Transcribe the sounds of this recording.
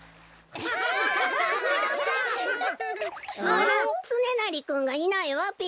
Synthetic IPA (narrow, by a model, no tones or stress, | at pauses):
maɾãt͡sɨnenaɾʲikɯ̃ŋɡainaeβape